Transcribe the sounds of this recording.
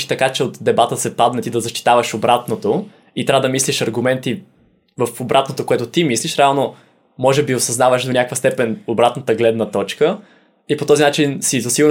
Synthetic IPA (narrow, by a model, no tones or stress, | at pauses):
ʃt̪ɐkat͡ʃɛot̪d̪ɛbat̪əsɛpad̪nɛt̪id̪ɐzɐʃt̪i̥t̪avɐʃobɾat̪not̪o | it̪ɾʲavəd̪ɐmisliʃɐɾɡʊmɛnt̪i | vɐfobɾat̪not̪okoɛt̪ot̪imisliʃɾɛalˠno | mɔʒɛbiosɐznavəʃd̪onʲakvəst̪ɛpɛnobɾat̪nət̪əɡlɛd̪nɐt̪ɔt͡ʃkə | ipot̪ɔzinat͡ʃinsizɐsiɡʊɾ